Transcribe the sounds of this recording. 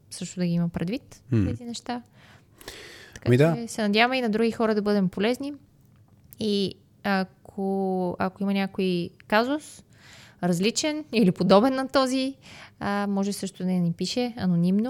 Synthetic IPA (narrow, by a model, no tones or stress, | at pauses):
sɤʃt̪ʊd̪ɐɡiimɐpɾɛd̪vit̪ɛzinɛʃt̪a | t̪kamid̪aɛsɛnɐd̪ʲjavɐmɛinɐd̪ɾuɡixɔɾəd̪ɐbɤd̪ɛmpolɛzni | i | ɐkʰoɐ̰koimɐnʲakoikazʊs | ɾɐzlit͡ʃɛnilipod̪ɔbɛnːɐt̪ɔziəmɔʒɛsɤʃt̪ʊd̪ɐnipiʃɛɐnonimno